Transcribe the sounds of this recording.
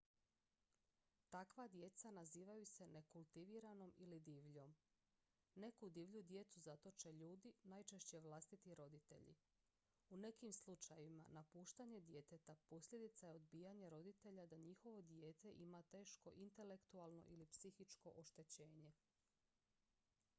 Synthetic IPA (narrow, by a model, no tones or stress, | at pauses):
t̪akʋad̪je̞t̪sanaziːʋajuse̞ne̞kulˠt̪iʋiɾano̞milid̪iːʋʎo̞m | ne̞kud̪iːʋʎud̪je̞t̪suzat̪o̞t͡ʃeʎuːd̪inajt͡ʃe̞ʃt͡ɕe̞ʋlˠast̪it̪iɾo̞d̪it̪e̞̰ʎḭ | une̞kimslut͡ʃajima̰napuːʃt̪aɲe̞d̪je̞t̪et̪apo̞sʎʲe̞d̪it̪sajeod̪biːjaɲeɾo̞d̪it̪e̞ʎad̪aɲixo̞ʋo̞d̪je̞ːt̪e̞ʔimat̪e̞ːʃko̞ʔint̪e̞le̞kt̪ualˠno̞̰ʔilipsixit͡ʃko̞ʔoʃt̪e̞t͡ɕe̞ːɲe̞